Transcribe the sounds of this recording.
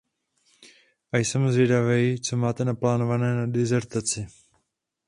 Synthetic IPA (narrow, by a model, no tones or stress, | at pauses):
ʔajsɛmzvjɛdavɛjt͡so̞maːt̪ɛnaplaːno̞vanɛːnadɪzɛɾt̪at͡sɪ